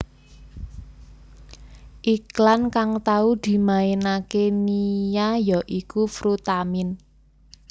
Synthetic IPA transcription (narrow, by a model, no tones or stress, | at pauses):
ʔiklankaŋt̪aud̪̥i̤maenakenijajɔʔikufɾut̪amɪn